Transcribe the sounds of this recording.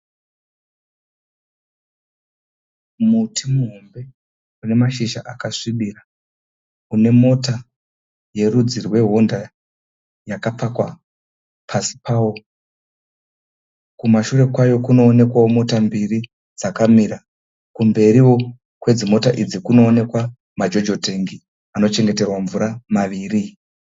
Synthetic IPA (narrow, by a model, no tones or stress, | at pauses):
mutʰimuɦo̞mbe̞ | une̞maʃiʃaʔakaʂiɗira | une̞mo̞ta | je̞rud͡zirwe̞ɦo̞nda | jakapakwa | pʰasi̥pawo | kumaʃure̞kwajo̞kuno̞ːne̞kwawomo̞tambiri | d͡zakamiɾa | kumbe̞ɾiwo̞ | kwe̞d͡zimo̞taʔid͡zikuno̞ːne̞kwa | mad͡ʒo̞d͡ʒo̞te̞ŋɡi | ano̞t͡ʃe̞ŋɡe̞te̞rwaɱvuɾamaʋiːri